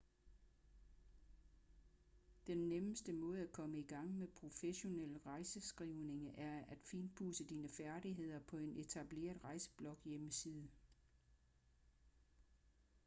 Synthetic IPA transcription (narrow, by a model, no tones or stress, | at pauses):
d̥enːeməsd̥əmɔ̽ːð̩ˠækʰɒ̽məiɡ̥ɑ̈ŋ̰mepʰʁo̝feɕo̝nel̰ʁɑ̈ɪsəsɡ̥ʁiʊne̝ŋəʔæɐæd̥fiːnbʰuːsəd̥iːnəfæɐɾiɦe̝ð̞̰ˠɐpʰɒ̽e̝nʔe̝t͡sʰæb̥le̝̰ːɐðˠʁɑ̈ɪsə̥b̥lɒ̽ɡ̥jeməsiːðˠə